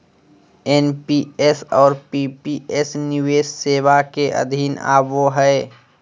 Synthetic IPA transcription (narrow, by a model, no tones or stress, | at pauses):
enpiesɔːɾpiːpiesnɪweːsseːbakeʔə̰d̪ʱiːna̰ːboɦɛe